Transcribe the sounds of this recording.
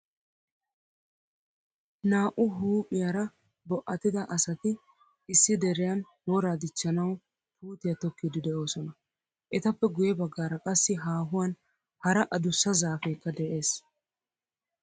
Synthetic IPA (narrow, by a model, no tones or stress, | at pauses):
naːʔʊɦuːpʼɪjaɾɐ | bɔʔɐt̪ːɪd̪ɐʔɐsɐt̪ɪ | ɪsːɪd̪ɛɾɪjɐn | wɔɾaːd̪ɪt͡ʃːɐnɐw | pʰuːt̪ɪjɐt̪ɔkːɪd̪ɪd̪ɛʔo̞ːsɔnɐ | ʔɛt̪ɐpːɛɡʊjɛbɐɡːaːɾɐkʼɐsːɪɦaːɦʊwɐn | hɐɾɐʔɐd̪ʊsːɐzaːfeːkːɐd̪ɛʔe̞ːs